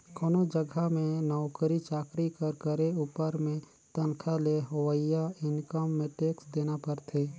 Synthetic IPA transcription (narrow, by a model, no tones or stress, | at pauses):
koːnod͡ʒəɡʱamẽnɔʊkəɾit͡ʃaːkɾikəɾkəɾeuːpəɾmẽ | t̪ənkʰaleɦowəɪjaɪnkəmːẽʈeːksd̪eːnapəɾt̪ʰeː